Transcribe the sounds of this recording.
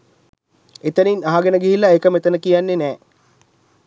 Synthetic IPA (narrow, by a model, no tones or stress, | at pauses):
et̪əninaɦaɡenəɡiɦilːaekəmet̪ənəkijanːenɛː